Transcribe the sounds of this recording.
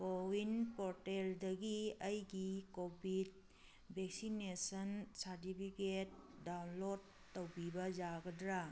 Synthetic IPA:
kowinpoɾteldɐɡiɐjɡikobid̚ | bʱek̚sinesɐnsaɾtipʰiket̚dawnlodːowbibɐd͡ʒaɡɐdɾa

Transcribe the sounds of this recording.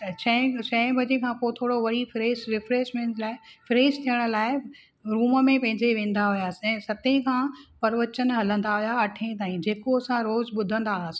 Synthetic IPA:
t͡ɕʰɐ̃ɦt͡ɕɐ̃ɦɪ̃bʱɐd͡ʑẽkʰãpot̪ʰoːɽoʋɐɽifɾeːsɾɪfɾeːʃmẽːɳʈlaːɪfɾeːst̪ʰijəɽ̃ʊ̆laːɪ | ɾuːmə̆mẽpɐ̃ɦɪ̃ɲd͡ʑeʋẽːn̆d̪aɦujaːsɛ̃ːsɐt̪ẽkʰãːpɐɾʋət͡ɕənɦɐlə̃nd̪aɦʊjaɐʈʰẽt̪aːĩd͡ʑeːkoɐsãɾoːzɓʊd̪ʱə̃nd̪aɦːsĩ̥

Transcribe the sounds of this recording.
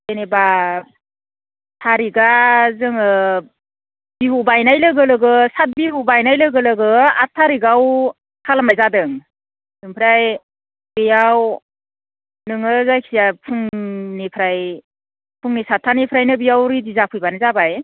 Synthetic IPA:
eneba | tʰaɾiɡazɯŋɯ | biɦubajnajlɯɡɯlɯɡɯsat̚biɦubajnajlɯɡɯlɯɡɯatʰːaɾiɡaw | kʰalamajzadɯŋ | nɯŋpʰɯɾaj | b̥ejaw | nɯŋɯzajkʰijapʰɯŋnipʰɾaj | pʰuŋnisatʰːanipʰɾajnɯbijawɾidizapʰɯjbanɯzabaj

